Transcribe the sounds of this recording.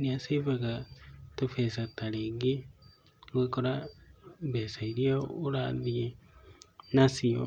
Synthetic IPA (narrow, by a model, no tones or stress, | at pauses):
niasivaɣatofesataɾeɡi | ɣwekoɾa | βesaiɾiaoɾaðie | nasio